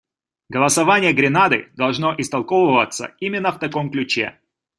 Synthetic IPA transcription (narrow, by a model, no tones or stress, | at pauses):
ɡɐlˠəsɐvanʲɪjəɡɾʲɪnad̪ɨ̰d̪ɐlˠʐno̞ʔɪst̪ɐlˠkovəvət̪sːə̰imʲɪnːəft̪ɐkomklʲʉt͡ɕḛ